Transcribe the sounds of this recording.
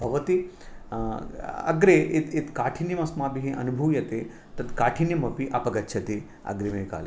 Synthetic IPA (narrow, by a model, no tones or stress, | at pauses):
bʱɐʋɐt̪i | ɐ̰ɡɾeʔet̪et̪kaːʈʰinjɐmɐsmaːbiɦiʔɐ̰nubʱuʋjɐt̪e | t̪ɐt̪kaːʈʰinjɐmɐpiʔɐ̰pɐɡɐtːt͡ʃʰɐt̪i | ɐ̰ɡɾemeika̰ːl